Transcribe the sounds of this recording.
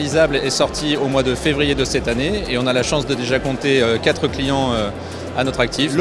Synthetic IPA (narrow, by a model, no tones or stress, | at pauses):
lizablɛsɔʁt̪ʰiomwad̪əfevʁijed̪əsɛt̪aneeɔ̃nalaʃɑ̃sd̪əd̪eʒakɔ̃t̪eøkʲat̪χəklijɑ̃ø | anɔt̪χak̚t̪ʰif